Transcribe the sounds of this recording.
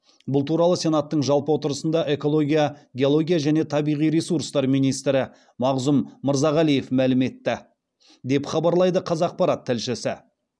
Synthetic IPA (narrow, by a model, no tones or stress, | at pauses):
bʊlˠt̪ʰuɾɑlˠəse̞nɑt̪ːəɴʒɑlˠpəwo̞t̪əɾəsənd̪ɑʔe̞ko̞lˠo̞ɡʲijaɡʲeo̞lˠo̞ɡʲijaʒæne̞t̪ʰɑbijʁijɾesuɾst̪ɑɾmijnijst̪ɾɪ | mɑʁzʊmːəɾzɑʁælijefmælɪme̞t̪ːɪ | d̪e̞pχɑbɑɾlˠɑjd̪əqʰɑzɑq̚pɑɾɑt̪ʰːɪlʃɪsɪ